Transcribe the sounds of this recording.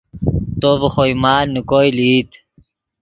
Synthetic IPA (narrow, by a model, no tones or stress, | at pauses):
t̪obχojmaːnukojliːt̪